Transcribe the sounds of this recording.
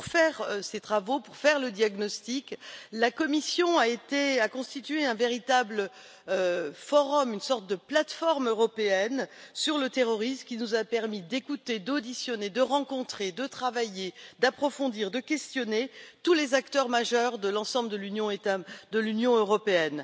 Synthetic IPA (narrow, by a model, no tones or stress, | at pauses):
puʁfɛʁset̪χavopuʁfɛʁləd̪jaɡnɔst̪iklakɔmisjɔ̃aet̪eakɔ̃st̪it̪ɥeɛ̃veʁit̪ablə | øfɔʁɔmynsɔʁt̪̚d̪əplat̪fɔʁmøʁɔpeɛnsyʁlət̪eʁɔʁismkʲinuzapɛʁmid̪ekut̪ed̪od̪isjɔned̪əʁɑ̃kɔ̃t̪χed̪ət̪χavajed̪apχɔfɔ̃d̪iʁd̪əkʲɛst̪jɔnet̪ulezakt̪œʁmaʒœʁd̪əlɑ̃sɑ̃bləd̪əlynjɔ̃et̪ad̪əlynjɔ̃øʁɔpeɛn